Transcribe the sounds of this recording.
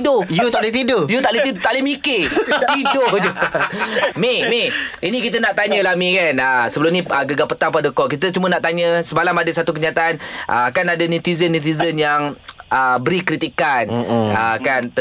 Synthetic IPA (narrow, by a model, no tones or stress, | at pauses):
dʊjut̪aʔlet̪idojut̪aʔlet̪it̪aʔlimikɪt̪idʊhd͡ʒu | memeinĩkit̪ənaʔt̪aɲəlahmĩkanasəbəlʊmɲĩəɡəɡapət̪aŋpadəkɔʔkit̪̬ət͡ʃumənaʔt̪aɲə̃səmalamadəsat̪ukəɲiat̪aʔanʔa̰akanadanut̪izənːut̪izənjaŋəbəɾikɾit̪ikanəkant̪ə